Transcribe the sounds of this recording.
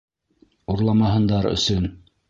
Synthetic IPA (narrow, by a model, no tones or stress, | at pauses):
uɾlˠɑmɑɦɤ̆nd̪ɑɾɵ̰̆sɵn